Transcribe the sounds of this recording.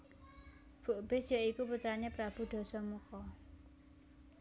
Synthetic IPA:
b̥uʔb̥e̤sjɔikuput̪ɾanepɾab̥ṳɖ̪̥ɔ̤sɔmukɔ

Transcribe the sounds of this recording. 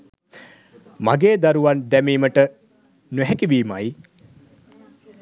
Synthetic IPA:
maɡeːd̪aɾuʋand̪æmiːməʈə | nɛɦɛkiʋiːma̰j

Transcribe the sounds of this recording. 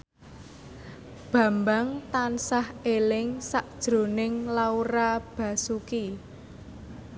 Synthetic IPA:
b̥ä̤mbaŋt̪ansahelɪŋsaʔd̥ʒ̥ɾo̤nɪŋlauɾab̥ä̤suki

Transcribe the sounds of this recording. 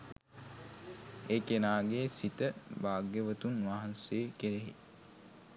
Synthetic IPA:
ekenaːɡeːsit̪əbaːɡjəʋət̪unʋaɦɐnseːkeɾeɦḭ

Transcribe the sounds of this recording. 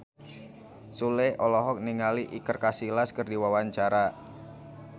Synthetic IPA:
suleʔɔlɔɦɔk̚niŋaliʔikərkasilaskərdiwawaɲt͡ʃaɾa

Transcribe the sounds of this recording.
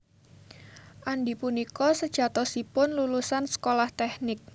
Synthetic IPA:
ʔaɳɖipunikɔsəd̥ʒ̥a̤t̪ɔsipʊnlulusansə̥kolaht̪ɛhnɪk̚

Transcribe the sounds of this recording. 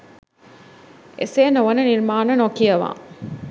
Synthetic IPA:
ḛsenoʋɐnəniɾmaːnɐnokiɐʋa̰ː

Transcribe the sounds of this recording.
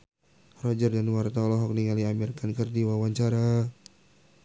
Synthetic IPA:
rɔd͡ʒərdanwart̪alɔɦɔk̚niŋaliamirkankərdiwawaɲt͡ʃaɾa

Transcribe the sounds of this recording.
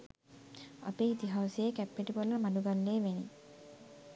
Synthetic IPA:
a̰peːit̪iɦawsejekæpːeʈipolːəmaɖuɡalːeːʋeni

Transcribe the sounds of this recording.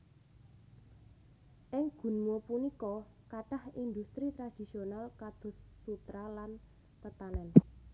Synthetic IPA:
ʔɪŋɡ̥ṳnmopunikɔ | kaʈahind̪ust̪ɾit̪ɾad̪̥i̤sionalkad̪̥ʊ̤sːut̪ɾalan | p̪ət̪anɛn

